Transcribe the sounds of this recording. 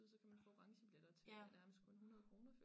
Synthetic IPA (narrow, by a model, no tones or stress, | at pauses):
ð̩ˠsɒ̽kʰæmænfɔ̰̽ːʁɑ̈ŋɕəb̥led̥ɐt͡sʰenæɐməsd̥kʰɔ̽nhunɐðˠkʰʁo̝ːnɐfø